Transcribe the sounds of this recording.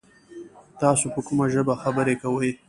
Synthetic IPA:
t̪ɑsopəkumaʒəbaxabəɾekawəj

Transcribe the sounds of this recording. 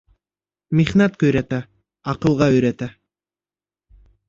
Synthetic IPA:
mʲeχnat̪̚køjɾæt̪æ | ɑqɯ̆lˠʁɑøjɾæt̪æ

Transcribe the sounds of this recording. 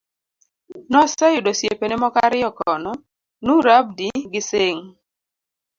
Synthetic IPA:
nɔsajʊdosjepenemɔkaɾɪjɔkɔnɔ | nuɾab̚diɡɪseŋ

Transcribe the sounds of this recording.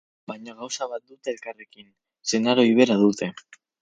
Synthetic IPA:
bajɲaɣawsaβat̪̚d̪ut̪e̞ːlkare̞kin | senaɾo̞iβ̞e̞ɾaðut̪e̞

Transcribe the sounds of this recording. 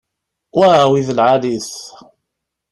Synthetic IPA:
wæwiðəlʕaliθ

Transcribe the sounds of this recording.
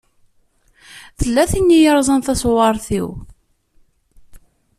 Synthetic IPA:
θəlːæθinːijəɾˤzˤənθæswɑɾˤθḭw

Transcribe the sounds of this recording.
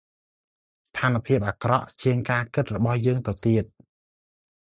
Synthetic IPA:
st̪ʰaːnə̆pʰiəp̚ʔaːkrɑʔt͡ɕiəŋkaːkɨt̪̚rɔɓɑhjəːŋt̪ɨwt̪iət̪̚

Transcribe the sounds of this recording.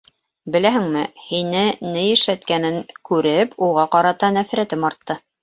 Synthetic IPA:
bɘ̆læɦɘ̆ŋmɘhinɘnɘjɘ̆ʃæt̪̚kænɘŋkʉɾɘpʰuʁɑqɑɾɑt̪ɑnæfɾæt̪ɘmɑɾt̪ːɤ

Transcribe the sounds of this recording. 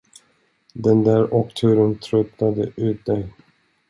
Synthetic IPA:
d̪ɛnd̪æːɾɔkt̪ʰʉːɾənt̪ʰɾɵt̪nad̪ə̰ʔʉ̟ːt̪̚d̪ɛj

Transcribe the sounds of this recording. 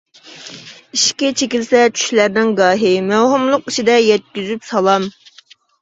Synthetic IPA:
iʃkʲɛt͡ʃʰekʲilsɛt͡ʃʰy̥ʃlæɾnɪŋɡɑːɦɪmæwɦumlˠʊqit͡ʃʰid̪ɛjɛt̪̚kʲyzypsɑlˠɑm

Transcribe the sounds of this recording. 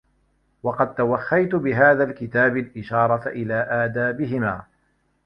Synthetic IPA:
wɑqɑd̪̚t̪awaxːajt̪bɪɦaːðalkɪt̪aːbɪlʔɪʃɑːɾˤɑt̪ʔɪlaːʔaːd̪aːbɪɦɪmaː

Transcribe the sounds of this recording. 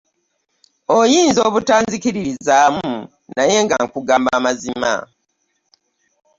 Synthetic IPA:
ojiːnzo̞ːβutaːnzikiɾiizaːmu | naje̞ŋɡaŋkuɡaːmbamazima̰

